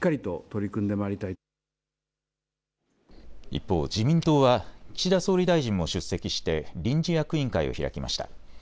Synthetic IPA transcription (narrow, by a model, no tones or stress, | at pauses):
kːaɾʲit̪o̞t̪o̞ɾʲikɯ̟̃nd̪e̞maːɾʲit̪ai | ḭpːo̞̰ːd͡ʑimʲĩnt̪o̞ːβat͡ɕid̪aso̞ːɾʲid̪aiʑĩmːo̞ɕɨsːe̞kʲiɕi̥t̪e̞ɾʲĩɲ̟d͡ʑijakɯ̟ĩŋkaḭo̞̰çiɾa̰kʲima̰ɕi̥t̪a̰